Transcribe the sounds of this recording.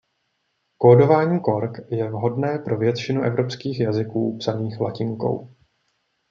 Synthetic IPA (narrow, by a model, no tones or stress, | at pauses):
koːdo̞vaːɲiːko̞ɾkjɛvɦo̞dnɛːpɾo̞vjɛt̪t͡ʃɪnuʔɛvɾo̞pskiːxjazɪkuːpsaniːxlacɪŋko̞̰w